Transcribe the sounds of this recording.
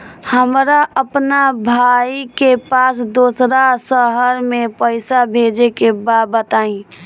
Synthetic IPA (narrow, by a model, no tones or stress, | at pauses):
həmɾaʔəpnabʱaikepasd̪oːsɾasəɦəɾmẽpəɪsabʱed͡ʒekebabət̪aĩ